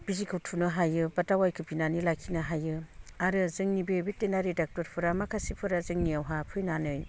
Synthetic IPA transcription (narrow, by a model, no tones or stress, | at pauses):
b̥izikʰɯwtʰunɯɦajɯbatawajkʰɯpʰinanilakʰinaɦajɯaɾɯzɯŋnibebitːenaɾedak̚tɔɾpʰɯɾamakʰasipʰɯɾazɯŋniawɦapʰɯjnanɯj